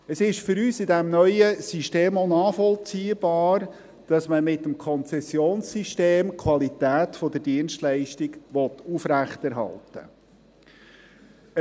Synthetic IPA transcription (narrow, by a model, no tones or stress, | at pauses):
əsɪʃfʏɾyːsɪdɛmnœʏəsyʃteːmonɑːfɔlt͡siːəb̥ɑːɾ | d̥ɑsməmɪt̪əmkʰɔnt͡sɛsjoːnssiʃteːmkʰwɑlit̪æːt̪fɔd̪ədiənʃtlɛɪʃtiɡʋɔt̪ufɾæχt̪ɛɾɦɑ̰ltə̰